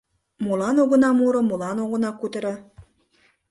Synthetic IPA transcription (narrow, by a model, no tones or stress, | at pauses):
mulˠɑnoɣɤ̆nɑmuɾɤ̆mulˠɑnoɣɤ̆nɑkut̪ɤ̆ɾɤ̆